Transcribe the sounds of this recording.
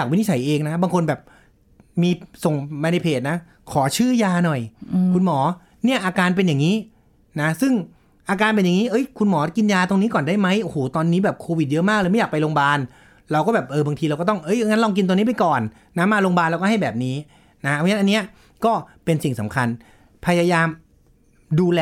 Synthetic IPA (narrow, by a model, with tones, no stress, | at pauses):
ja˨˩kwi˦˥ni˦˥˩t͡ɕʰa˩˦jʔeː˧ŋna˦˥baː˧ŋkʰo˧nbɛː˨˩p̚ | miː˧so˨˩ŋma˧na˧jpʰeː˨˩t̪̚na˦˥ | kʰɔː˩˦t͡ɕʰɯː˥˩jaː˧nɔ˨˩jkkʰu˧nmɔː˩˦ | ni˥˩ʔaː˧kaː˧np̬e˧njaː˨˩ŋiː˦˥ | na˦˥sɯ˥˩ŋ | ʔaː˧kaː˧npe˧nja˨˩ŋiː˦˥ʔɤ˦˥jkʰu˧nmɔː˩˦ki˧njaː˧t̪o˧ŋniː˦˥kɔː˨˩nda˥˩jma˦˥jʔo˧hoː˩t̪ɔː˧nːiː˦˥bɛː˨˩p̚kʰoː˧wi˨˩jɤ˦˥maː˥˩k̚ːjma˥˩jaː˨˩pa˧jloː˧ŋbaː˧n | ɾa˧wkɔː˥˩bɛː˨˩p̚ʔɤː˧baː˧ŋt̪ʰiː˧ɾwkɔ˥˩t̪ɔ˥˩ŋʔɤ˦˥jʔŋa˦˥lɔː˧ŋk̬i˧nt̪o˧ni˦˥pa˧jkɔː˨˩nː | a˦˥mːaː˧lo˧ŋbaː˧nlːwkɔː˥˩ɦa˥˩jbɛː˨˩p̚niː˦˥ | na˦˥ʔa˧˦˥nʔa˧nːi˦˥ɐ | kɔː˥˩pe˧nsi˨˩ŋsa˩˦mkʰa˧n | pʰa˧jaː˧jaː˧m | duː˧lɛː˧